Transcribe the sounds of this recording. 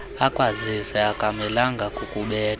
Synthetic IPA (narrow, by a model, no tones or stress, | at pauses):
akʼwazisɛakʼamɛlaŋɡʱakʼukʼuɓɛːt